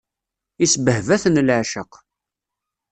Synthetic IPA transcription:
isəbəhvæθnlʕʃəq

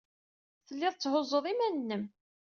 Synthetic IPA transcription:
θəlːɪðˤt͡sːhʊzˤəðˤimænnːəm

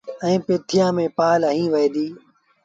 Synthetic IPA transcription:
ɛ̃ːpeːt̪ʰijãːmẽːpaːləɦĩːʋəjd̪iː

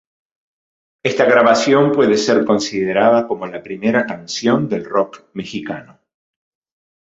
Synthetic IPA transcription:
est̪aɣɾaβasjo̞mpwe̞ðeseɾko̞nsiðeɾaðako̞mo̞lapɾime̞ɾakansjo̞nd̪e̞lrokmexikano

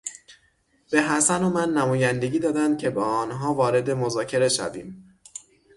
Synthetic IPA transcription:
b̥e̞ɦæsænomænːæmɒːjænd̪e̞ɟiːd̪ɒːd̪ænd̪̥̚cʰe̞bɒːɒːnɦɒːvɒːɾe̞d̪e̞mo̞zɒːcʰe̞ɾe̞ʃæ̰vḭːm

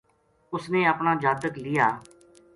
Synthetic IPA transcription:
ʊsneːəpɳaːd͡ʒaːt̪əklɪjaː

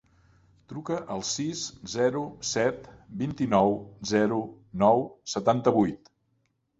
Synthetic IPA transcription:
t̪ɾukəʔəlˠsiszɛɾusɛt̪bint̪inɔwzɛɾu | nɔwsət̪ant̪əβujt̪

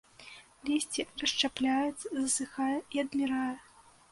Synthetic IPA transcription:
lʲisʲt͡sʲirɐʂt͡ʂaplʲajut͡sʲzɐsɨxajɛiɐd̪mʲiɾajɛ

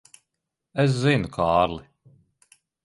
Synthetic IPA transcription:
æs̬zinukʰaːɾlˠi

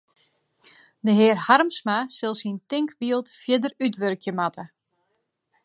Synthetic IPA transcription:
dəɦɪərharmsmasɪlˠsintɪŋkbiəlˠtfjɪdərytʋørkʰjəmatʰə

